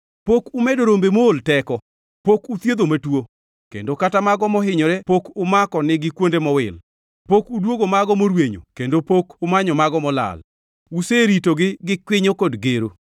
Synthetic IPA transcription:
pokumedoɾombemoːltɛkɔ | pokut̪jed̪omatwo | kḛndokatamaɡɔmɔɦɪɲɔɾɛpokʊmakɔnɪɡɪkwondemɔwɪ̰l | pokudwoɡomaɡɔmoɾweɲo̰kendopokʊmaɲɔmaɡɔmɔla̰l | useɾitoɡɪɡɪkwɪɲokodɡeɾo

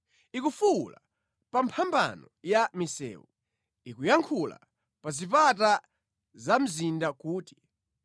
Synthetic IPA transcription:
ikufula | pampʰamba̰nɔjamisɛ̰ːu | ikujaŋkʰula̰ | pazipata | zam̩zindakuːti̥

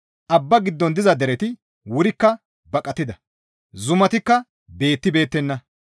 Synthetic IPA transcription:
ʔɐbːɐɡɪd̪ːɔnd̪ɪzɐd̪ɛɾɛt̪ɪ | wʊɾɪkːɐ | bɐkʼɐt̪ːɪd̪ɐ | zʊmɐt̪ɪkːɐ | be̞ːt̪ːɪbe̞ːt̪ːɛnːɐ

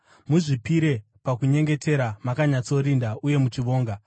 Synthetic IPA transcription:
muʐipiɾe̞ | pakuɲe̞ŋɡe̞tʰe̞ɾamakaɲat͡so̞ɾindaʔuje̞mut͡ʃiʋo̞ːŋɡa

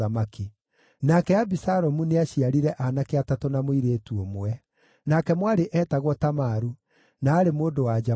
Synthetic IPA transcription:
amaki | nakɛabisaɾɔmuneaɕiaɾiɾɛʔanakeatatonamoiɾeːtuomwɛ | nakɛmwaɾeʔɛːtaɣwɔtamaːɾu | naːɾemoːdowad͡ʒa

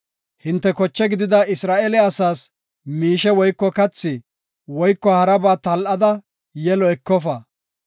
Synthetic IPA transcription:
hɪnt̪ːɛkɔt͡ʃːɛɡɪd̪ɪd̪ɐɪsɾaːʔɛlɛɐsaːs | miːʃɛwɔjkːɔkɐt͡sːɪ | wɔjkːɔhɐɾɐbaːt̪ɐlʔɐd̪ɐ | jɛlɔɛkːɔfɐ

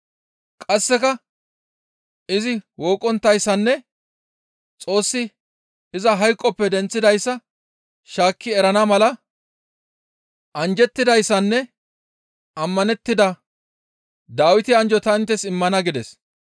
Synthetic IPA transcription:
kʼɐsːɛkɐ | ɪzɪwo̞ːkʼːɔnt̪ːɐjsːɐnːɛ | t͡sʼo̞ːsːɪ | ɪzɐɦɐjkʼːɔpːɛd̪ɛnt͡sːɪd̪ɐjsːɐ | ʃaːkːɪɛɾɐnɐmɐlɐ | ʔɐnd͡ʒɛt̪ːɪd̪ɐjsːɐnːɛ | ɐmːɐnɛt̪ːɪd̪ɐ | d̪aːwɪt̪ɪɐnd͡ʒɔt̪ɐnt̪ːɛsɪmːɐnɐɡɪd̪ɛs

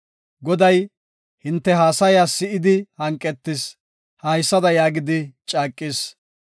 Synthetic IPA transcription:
ɡɔd̪ɐj | hɪnt̪ːɛɦaːsɐjaːsːɪɪd̪ɪhɐŋkʼːɛt̪ːɪs | hɐjsːɐd̪ɐjaːɡɪd̪ɪt͡ʃʼaːkʼːɪs

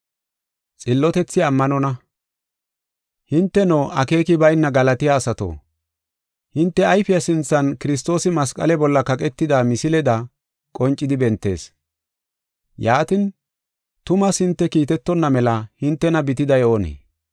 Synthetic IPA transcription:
t͡sʼɪlːɔt̪ɛt͡sːɪɐmːɐnɔnɐ | hɪnt̪ːɛnoːʔɐke̞ːkɪbɐjnːɐɡɐlɐt̪ɪjaːsɐt̪o̰ː | hɪnt̪ːɛɐjfɪjɐsɪnt͡sːɐnkɪɾɪs̬t̪o̞ːsɪmɐskʼɐ̰lɛbɔlːɐkɐkʼɛt̪ːɪd̪amɪsɪlɛd̪ɐ | kʼɔnt͡ʃʼːɪd̪ɪbɛnt̪ːe̞̰ːs | jaːt̪ɪn | t̪ʊmɐshɪnt̪ːɛkiːt̪ɛt̪ːɔnːɐmɛlɐhɪnt̪ːɛnɐbɪt̪ɪd̪ɐjoːnḛː

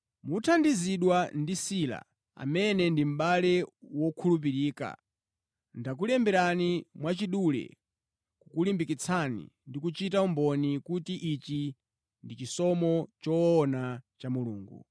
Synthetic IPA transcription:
mutʰandiziɗwandisila̰ | a̰mɛnɛndim̩ɓalɛwɔkʰulup̬iɾiːka̰ | ndak̬ulɛmbɛɾanimwat͡ʃiɗulɛ̰ | kukulimbikit͡sʰanḭndikut͡ʃitaumbɔnikutiʔit͡ʃi | ndit͡ʃisɔmɔt͡ʃɔːnat͡ʃamuluːŋɡṵ

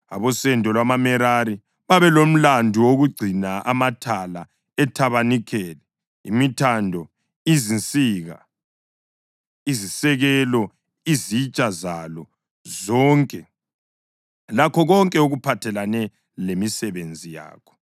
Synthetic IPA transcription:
aβɔsɛndʱɔlwamamɛɾaɾi | βaβɛlom̩landʱuwoɣuɡ͡ǀʱinaʔamatʰala | ɛtʰaβanikʰɛlɛ | ḭmitʰandʱɔ | izint͡sʼiːɣa̰ | izisɛɣɛlɔ | izit͡ʃʼazalɔ | zɔŋkʼɛ | lakʰɔɣɔŋkʼɛuɣupʰatʰɛlanɛ | lemisɛβend͡zʱija̰ːkʰɔ̥

